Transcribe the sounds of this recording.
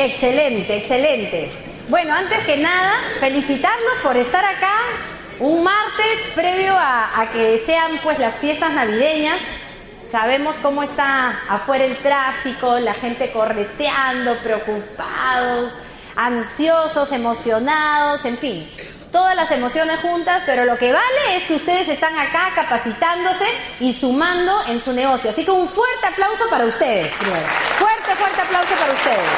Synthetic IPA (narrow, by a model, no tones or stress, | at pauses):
ekse̞le̞nt̪e̞ːkse̞le̞nt̪e̞ | bwe̞no̞ant̪ezke̞naðafe̞lisit̪aɾno̞spo̞ɾe̞st̪aɾaka | uŋmaɾt̪e̞spɾe̞βjo̞aːkese̞ampwe̞zlasfje̞st̪aznaβiðe̞ɲasː | aβ̞e̞mo̞sko̞moe̞st̪aːfwe̞ɾaelt̪ɾafiko̞laxe̞nt̪e̞ko̞ret̪jand̪o̞pɾeokupaðo̞s | ansjoso̞se̞mo̞sjo̞naðo̞se̞ɱfin | t̪o̞ðazlase̞mo̞sjo̞ne̞sxunt̪aspe̞ɾo̞lo̞ke̞βale̞eskeust̪e̞ð̞es̬est̪aŋakakapasit̪and̪o̞se̞ | isumãnd̪o̞ʔe̞nsune̞ɣ̞o̞sjoasikeuɱfweɾt̪e̞aplawsopaɾaust̪e̞ðespɾimeɾofwe̞ɾt̪e̞fwe̞ɾt̪e̞aplawso̞paɾaust̪eðes